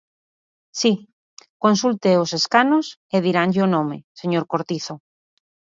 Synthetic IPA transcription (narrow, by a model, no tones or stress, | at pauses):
si | konsult̪eoseskanoseðiɾaŋʎeonõmeseɲoɾkoɾt̪iθo